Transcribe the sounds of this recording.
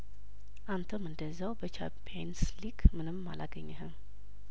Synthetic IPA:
ʔant̪ʰəmɨnd̪əzːawbət͡ʃʰa̰pʰijanslikmɨnɨmːa̰laɡəɲːɛɦɨm

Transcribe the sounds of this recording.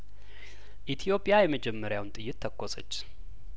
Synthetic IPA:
ʔit̪ʰijo̞pʼjajɛməd͡ʒɛmːəɾjawnt̪ʼɨjːɪt̪ːʰəkːosət͡ʃː

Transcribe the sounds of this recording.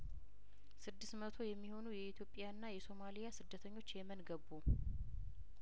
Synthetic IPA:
sɨd̪ːɨsmət̪ʰo̞jɛmːiho̞nujɛit̪ʰjo̞pʼjanːajɛso̞malijasɨd̪ːət̪ʰəɲːo̞t͡ʃːjɛmənɡəbːu

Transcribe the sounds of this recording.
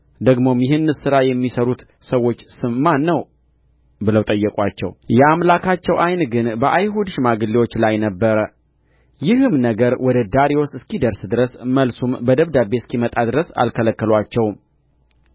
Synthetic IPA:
d̪əɡmo̞mjɪhɨnːɨsɨɾajɛmːisəɾut̪ | səwːo̞t͡ʃːsɨmmanːəw | bɨləwt̪ʼəjːɛkʼʷat͡ʃːɛ̰wjɛamlakʰat͡ʃːɛwʔajnɡɨnbəʔajɦud̪ʃmaɡɨlːiwo̞t͡ʃːlajnəbːəɾə | jɪhɨmnəɡəɾwɔd̪əd̪aɾiosɨskʰid̪əɾsd̪ɨɾəsməlsumbəd̪əβd̪abe̞skʰimət̪ʼad̪ɨɾəsa̰lkʰələkːəlwat͡ʃːɛwm

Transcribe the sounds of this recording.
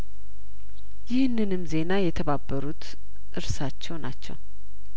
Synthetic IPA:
jɪhnːɨnɨmze̞najɛt̪ʰəβabːəɾut̪ | ʔɨɾsat͡ʃːɛwnat͡ʃːɛ̰w

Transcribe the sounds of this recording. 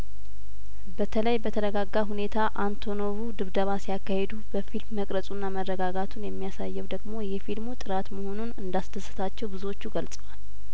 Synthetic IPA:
bət̪ʰələjbət̪ʰəɾəɡaɡːaɦune̞t̪ʰaʔant̪ʰo̞no̞βud̪ɨβd̪əβasijakːahe̞d̪ubəfilmːəkʼɾəsʼunːamərːəɡaɡat̪ʰunjɛmːijasajːɛwd̪əɡmo̞jɛfilmut̪ʼɨɾat̪məho̞nunɨnd̪asd̪ʰəsːɨ̥t̪ʰat͡ʃːɛwbɨzuwo̞t͡ʃːuɡəlsʼəwal

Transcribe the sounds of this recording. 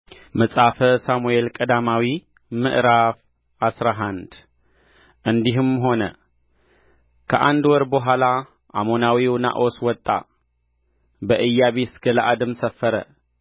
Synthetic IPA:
məsʼafəsamuelkʼəd̪amawi | mɨ̰ʔɾaf | asɾaɦand̪ | ʔɨnd̪iɦɨmɦo̞nə | kʰəʔand̪wɔɾboɦala | ʔa̰mo̞nawiwna̰ʔo̞swɔt̪ʼːa̰ | bəʔɨjːaβesɡ̥əlaʔad̪ɨmsəfːəɾə̰

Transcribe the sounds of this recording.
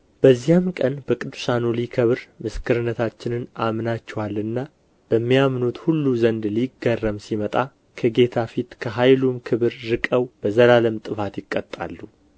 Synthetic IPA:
b̥əzːijamkʼənbəkʼɨd̪ːusanulikʰəβɨɾmɨskʰɨɾɨnːət̪ʰat͡ʃːɪnɨnamnat͡ʃːɛwalːɨnːa | b̥əmːijamnut̪hulːuzənd̪liɡːərːəmsimət̪ʼa | kʰəɡe̞t̪ʰafit̪kʰəɦajlumkʰɨβɨɾːɨkʼəwb̥əzəlaləmt̪ʼɨfat̪jɪkʼːət̪ʼːa̰lːu

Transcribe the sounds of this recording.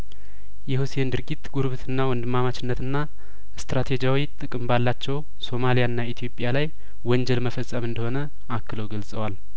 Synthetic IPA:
jɛhusiend̪ɨɾɡit̪ːɡuɾβɨt̪ʰɨnːawɔnd̪ɨmːamat͡ʃɪnːət̪ɨnːa | ɨst̪ɾat̪ʰe̞d͡ʒawit̪ʼɨkʼɨmbalːat͡ʃːɛw | so̞malijaɨnːait̪ʰijo̞pʼjalaj | wɔɲd͡ʒɛlməfəsʼːəmɨnd̪əho̞nə | akːɨləwɡəlsʼəwal

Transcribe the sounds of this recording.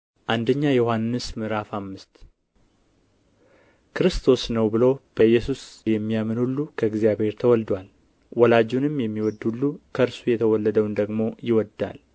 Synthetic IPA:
ʔand̪əɲːajɛjohanːɨsmɨɾafamːɨst̪ | kʰɨɾɨst̪ʰo̞snəwbɨlo̞b̥əjːɛsusjɛmːijamɨnulːukʰəɪɡzijaβhe̞ɾt̪ʰəwɔld̪wal | wɔlad͡ʒunɨmjɛmːiwɔd̪ulːukʰəɨɾsujɛt̪ʰəwɔlːəd̪əwnd̪əɡmo̞jɪwɔd̪a̰l

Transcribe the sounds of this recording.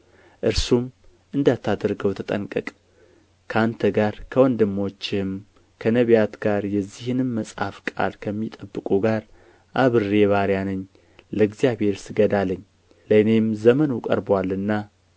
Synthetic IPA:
ʔɨɾsum | ʔɨnd̪at̪ʰːad̪ɾɡəwt̪ʰət̪ʼənkʼəkʼ | kʰəant̪ʰəɡaɾkʰəwɔnd̪ɨmːo̞t͡ʃːɪm | kʰənəβjat̪ɡ̥aɾjɛzːihɨnɨmːəsʼha̰fkʼa̰lkʰəmːit̪ʼəbːɨkʼuɡaɾ | ʔaβɨre̞βaɾjanɨɲː | ləɡzijaβhe̞ɾsɨɡəd̪aləɲː | ləɨne̞mzəmənukʼə̰ɾbwalːɨnːa

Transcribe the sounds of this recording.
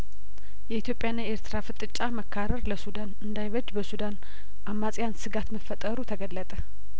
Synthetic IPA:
jɛit̪ʰjo̞pʼjanːaeɾt̪ʰɨɾafɨt̪ʼɨt͡ʃʼːaməkʰːaɾəɾləsud̪anɨnd̪ajβəd͡ʒbəsud̪an | ʔamːasʼjansɨɡat̪məfːət̪ʼəɾut̪ʰəɡəlːət̪ʼə

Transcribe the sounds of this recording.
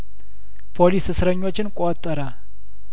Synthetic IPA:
pʰo̞lisɨsɾəɲːo̞t͡ʃːɪnkʼot̪ʼːəɾə

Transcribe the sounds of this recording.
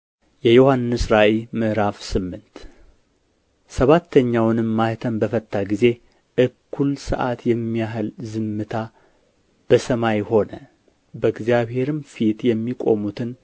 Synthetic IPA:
jɛjohanːɨsɾaʔemɨʔɾafsɨmːɨnt̪ | səβat̪ʰːəɲːawnɨmːaht̪ʰəmbəfət̪ʼːaɡize̞ | ʔɨkʰːulsɨ̰ʔat̪jɛmːijaɦlzɨmːɨt̪ʰa | b̥əsəmajho̞nə | bəɨɡzjaβhe̞ɾɨmfit̪jɛmːikʼo̞̰mut̪ʰɨn

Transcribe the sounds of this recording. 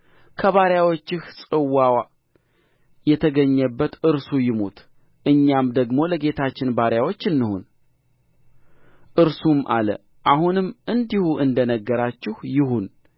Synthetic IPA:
kʰəβaɾjawot͡ʃːɪhsʼɨwːawa | jɛt̪ʰəɡəɲːəbːət̪ɨɾsujɪmut̪ʰ | ʔɨɲːamd̪əɡmo̞ləɡe̞t̪ʰat͡ʃːɪnbaɾjawo̞t͡ʃːɨnːɨhṵn | ʔɨɾsumʔa̰lə̰ | ʔahunɨmːʔɨnd̪ihuʔɨnd̪ənəɡːəɾat͡ʃːɪhjɪɦun

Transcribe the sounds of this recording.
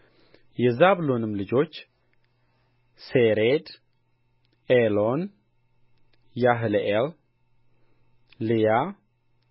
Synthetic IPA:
jɛzaβɨlonɨmlɨd͡ʒo̞t͡ʃː | seɾed̪ | elon | jaɦɨleʔel | lija

